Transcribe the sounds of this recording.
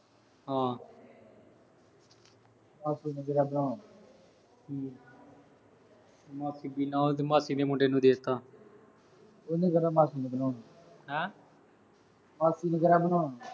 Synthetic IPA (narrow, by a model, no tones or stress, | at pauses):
ɦãː | maːsiːnəɡəɾaːbənãː | i | maːsiːbiːnãːot̪̬ːmaːsiːd̪eːmõːʈeːnũːd̪eːt̪aː | onĩːkəɾaːmaːsiːneɡənãː | ɛː | maːsiːnəɡəɾaːbənãː